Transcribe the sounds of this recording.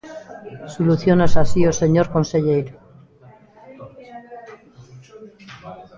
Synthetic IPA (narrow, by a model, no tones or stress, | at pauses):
suluθjonasasiose̞ɲoɾko̞nseʎejɾo